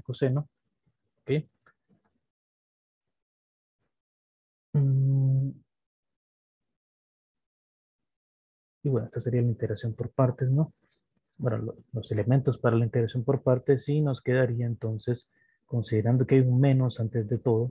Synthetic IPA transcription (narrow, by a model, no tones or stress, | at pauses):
koseno | okej | iβwe̞noe̞st̪ase̞ɾialaint̪e̞ɣɾaksjo̞mpo̞ɾpaɾt̪e̞sno | benololo̞se̞le̞mẽ̞nt̪o̞spaɾalaint̪eɾaksjo̞mpo̞ɾpaɾt̪esino̞ske̞ðaɾiaent̪o̞nse̞s | ko̞nsiðeɾand̪o̞keajunmẽ̞nosant̪e̞zðe̞t̪o̞ðo